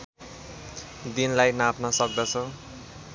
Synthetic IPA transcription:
d̪inlajnapnʌsʌk̚d̪ʌt͡sʰʌ

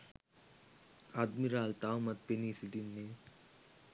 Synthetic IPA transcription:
aːd̪miɾaːlt̪awmɐt̪̚peniːsid̪inːe

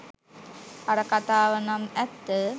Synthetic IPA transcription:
ɐɾɐkɐt̪aːʋɐnɐmɛt̪ːə

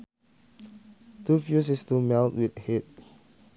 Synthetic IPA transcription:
tufjus̬istumɛltwithet̚

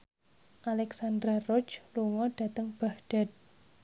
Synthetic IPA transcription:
ʔalɛksand̪ɾarɔt͡ʃluŋɔɖ̥a̤t̪əŋb̥ahɖ̥a̤t̪̚

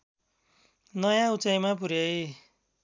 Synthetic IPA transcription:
nʌjãut͡sajmapuɾjʌj

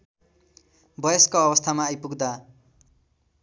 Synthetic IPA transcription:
bʌjʌskoːbʌst̪ʰamaːjpuɡd̪a

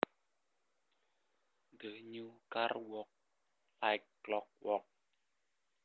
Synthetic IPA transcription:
dəɲukarwɔk̚ | lajkːlɔk̚wɔk̚

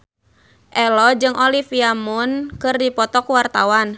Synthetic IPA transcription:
ʔɛlɔd͡ʒɨŋʔɔlifiamunkɨrdipɔt̪ɔkwart̪a̰wan

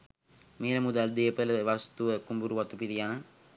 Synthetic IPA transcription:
meːləmud̪ald̪ejəpələʋast̪uʋəkumbuɾuʋɐt̪upiɾijanə

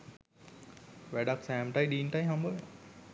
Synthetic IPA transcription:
ʋæɖaksæːmʈajɗiːnʈajɦambə

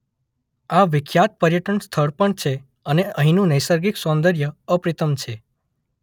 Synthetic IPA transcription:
aʋɪkʰjat̪̚pəɾjəʈənst̪ʰəɭpəɳt͡ʃʰe | əneəɦĩnũnəjsəɾɡiksɔ̃nd̪əɾjəəpɾit̪əmt͡ʃʰe

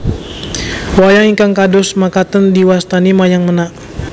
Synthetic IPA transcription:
wajaŋikaŋkadɔsmakat̪əndiwast̪animajaŋmənaʔ

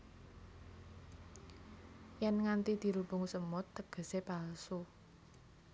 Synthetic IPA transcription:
jɛnŋant̪id̪̥i̤ɾubʊŋsəmɔt̪ːəɡ̥ə̤sepalsu

